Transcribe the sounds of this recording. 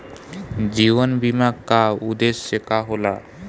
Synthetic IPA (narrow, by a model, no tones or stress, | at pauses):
d͡ʒiβənbimakkaud̪esːekaɦola̰